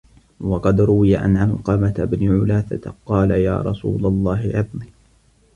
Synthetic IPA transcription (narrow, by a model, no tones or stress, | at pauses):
wɑqɑd̪ɾʊwɪjaʔa̰nʕalqɑmat̪abnɪʕʊlaːθa̰t̪qɑːlaja̰ːɾˤɑ̰sṵːlalˤːɑːɦɪʕɪðˤniː